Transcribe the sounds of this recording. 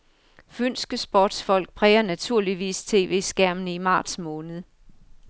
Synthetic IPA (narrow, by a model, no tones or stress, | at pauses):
føn̰sɡ̥əsb̥ɒːd̥sfɒ̽l̰ɡ̥̚pʰʁɛːɐnæt͡sʰuɐ̰liʋḭːst͡sʰe̝̰ːʋe̝̰ːsɡ̥æɐ̰mnəimɑ̰̈ːd̥smɔ̽ːnəð̞̩ˠ